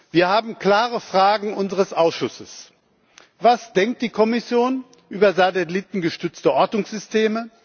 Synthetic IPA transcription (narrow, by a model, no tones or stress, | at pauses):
v̥iːɐhaːbm̩kl̥aːʁəfʁ̥aːɡŋ̩ʔʊnzəʁəsʔaʊsʃʊsəs | vasd̥ɛŋk̚t̚d̥iːkʰɔmɪsjoːn | ʔyːbɐzatɛlɪtn̩ɡəʃtʏt͡stəʔɔɐtʊŋsz̥ʏstʰeːmə